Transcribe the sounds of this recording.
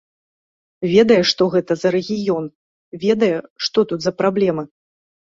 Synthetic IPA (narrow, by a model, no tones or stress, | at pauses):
vʲɛd̪ɐjɛʂt̪ɔɣɛt̪ɐzɐɾɛɣʲijɔn | vʲɛd̪ɐjɛʂt̪ɔt̪ut̪zɐpɾablʲɛmɨ